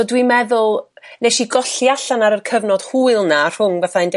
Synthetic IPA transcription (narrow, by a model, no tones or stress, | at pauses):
dwimɛðʊlˠneʃiɡɔɬjaɬanaɾərkʰəvnɔd̥huːɨlˠnar̥ʊŋvaθaɨnd